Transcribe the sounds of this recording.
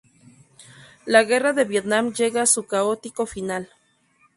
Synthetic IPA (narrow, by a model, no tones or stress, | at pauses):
laɣe̞raðe̞βjet̪namd͡ʒeɣasukaot̪ikofinal